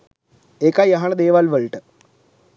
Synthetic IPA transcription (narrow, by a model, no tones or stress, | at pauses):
ekajɐɦɐɳəd̪eːʋalʋəɭʈə